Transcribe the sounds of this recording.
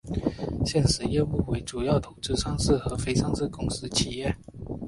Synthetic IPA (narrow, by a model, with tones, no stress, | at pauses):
ɕjɛ˥˩nʂɻ̩˧˥jɛ˥˧u˥˩we˧˥ɪʈ͡ʂu˨˩jɑ˥˩ʊt̪ʰo˨˩ʊʈ͡ʂɻ̩˥˧ʂɑ˥ŋsɹ̩˥˩xɤ˧˥fe˥ɪʂɑ˥ŋsɹ̩˥˩kʊ˥ŋs̩˥t͡ɕʰi˨˩jɛ˥˩